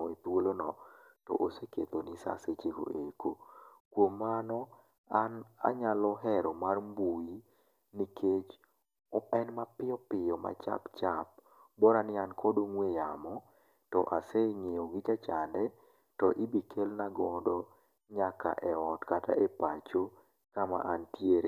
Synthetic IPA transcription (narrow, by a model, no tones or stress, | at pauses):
ɔit̪wolonɔtɔ̰ʔoseket̪onisa̰set͡ʃeko̰ʔekokwomːanɔ | ana̰ɲalɔɦɛɾɔmarmbui | nikʰet͡ʃ | ɔpɛnmapɪɔpɪjɔma̰t͡ʃa̰pt͡ʃap̚ | bɔɾanɪankʰɔdoŋwejamɔ | tɔ̰ʔaseŋeoɡid͡ʒat͡ʃandɛ | tɔʔibikʰelnaɡɔdɔ | ɲaka̰ʔɛɔtkata̰ʔepat͡ʃo | kama̰ʔantjeɾe